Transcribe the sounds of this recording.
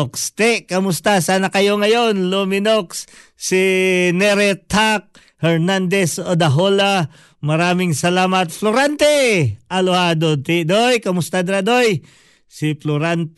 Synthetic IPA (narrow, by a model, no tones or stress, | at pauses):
kst̪ɛʔkɐmʊst̪asaːnɐkɐjo̞ŋɐjo̞nlomɪnokssinɛɾɛt̪ak̚ | hɛɹnand̪ɛsod̪ɐɦola | mɐɾaːmɪŋsɐlaːmɐt̪̚floɾant̪ɛʔɐlohad̪ot̪id̪ojkɐmʊst̪ad̪ɾad̪oj | siploɾant̪